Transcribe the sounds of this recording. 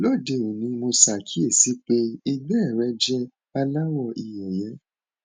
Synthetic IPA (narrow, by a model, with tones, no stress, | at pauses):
lo˦˨de˧˨o˨nĩ˨˧˦mo˧sa˨kʰi˦e˦˨si˨˦k͡pe˦i˧ɡ͡bɛ˦ɛ˦˨ɾɛ˨˦d͡ʒɛ˦ | a˧la˦wɔ˦˨ʔi˧jɛ˨jɛ˨˧˦